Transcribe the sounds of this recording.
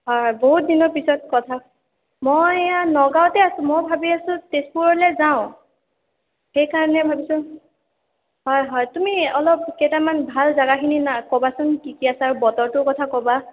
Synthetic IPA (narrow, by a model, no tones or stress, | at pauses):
ɦɔjɦɔjboɦut̚dinɔpisɔt̚kɔtʰa | mojjanɔɡawtɛasʊ̃mojbʱabiasʊ̃tespuɹɔlɛzaʊ̃ | xejkaɹɔnɛbʱabisʊ | ɦɔjɦɔjtumiɔlɔp̚kejtamanbʱalzaɡakʰininakɔbasɔnkikiasaːɹubɔtɔɹtʊkɔtʰakɔba